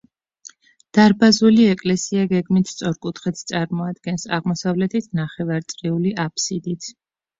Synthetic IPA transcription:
d̪̥aɾbazuliɛkʼlɛsiaɡɛɡmit̪ʰst̪sʼɔɾkʼut̪ʰχit̪ʰst̪sʼaɾmɔad̪ɡɛnsa̰ʁmɔsavlɛt̪ʰit̪ʰnaχɛvaɾt̪sʼɾiuliʔapʰsid̪it̪ʰ

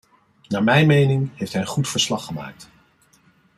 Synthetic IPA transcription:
naːmɛjnmejnɪŋɦejftɦɛjə̃nχutfəɹslɑχːəma̰ːk̚t

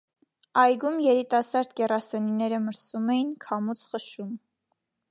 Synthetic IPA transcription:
ɑjɡumjɛɾit̪ɑsɑɾd̪ɡɛrɑsɛninɛɾəməɾsumɛjinkʰɑmut͡sχəʃum

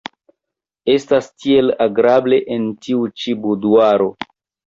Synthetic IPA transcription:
e̞stastie̞laɡɾable̞ʔentiut͡ʃibuduaɾo̞

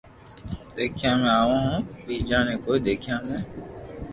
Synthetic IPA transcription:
d̪eːkʰjãːmẽaːʋãːɦõːbiːd͡ʒãːnẽːkoːid̪eːkʰjãːmẽː

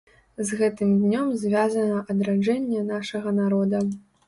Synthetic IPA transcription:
zɣɛt̪ɨmd̪ʲnʲɔmzʲvʲazɐnɐʔɐd̪ɾad͡ʐɛnʲːɛnaʂɐɣɐnaɾɔd̪ɐ

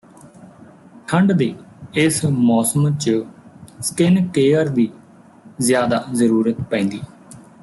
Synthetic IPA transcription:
ʈʰəɳɖd̪eːɪsmɔːsəmt͡ʃəsə̥kɪnkeːəɾd̪iː | zjaːd̪aːzəɾuːɾət̪pɛ̃ːnd̪iː

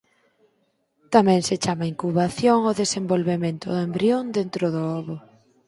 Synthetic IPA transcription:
t̪amɛ̃ŋset͡ʃamaiŋkuβaθjoŋoðesembolβemẽnt̪ʊðembɾiond̪ent̪ɾʊðoɔβʊ

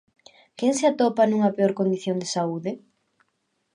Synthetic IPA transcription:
keŋsɪat̪ɔpanũŋɐpeoɾkond̪iθjond̪esauðɪ

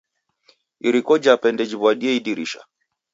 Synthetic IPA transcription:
iɾikɔd͡ʒapɛndɛd͡ʒiβwaɗiɛiɗiɾiʃa̰

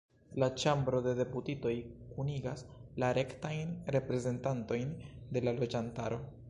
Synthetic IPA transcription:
lat͡ʃambɾo̞de̞de̞putito̞jkuniɡaslaɾe̞ktajnɾe̞pɾe̞ze̞ntanto̞jnde̞lalo̞d͡ʒantaɾo̞

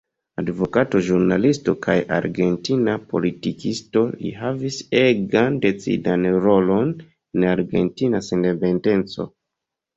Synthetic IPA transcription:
advo̞kato̞ʒuɾnalisto̞kʰajʔa̰ɾɡe̞ntinapo̞̰litikisto̞lḭɦaviseɡande̞t͡sḭdanɾo̞lo̞n | enaɾɡe̞̰ntinasendepe̞nde̞nt͡so̞̰

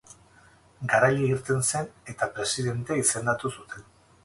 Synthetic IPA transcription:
ɡaɾaʎeiɾt̪e̞nse̞ne̞t̪apɾe̞siðe̞nt̪e̞ise̞nd̪at̪usut̪e̞n

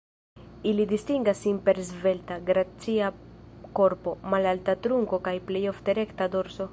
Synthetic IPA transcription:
ilid̪istiŋɡasinpe̞ɾzve̞ltaɡɾat͡siako̞ɾpo̞malaltatɾuŋko̞kajple̞jo̞fte̞ɾe̞ktado̞ɾso̞

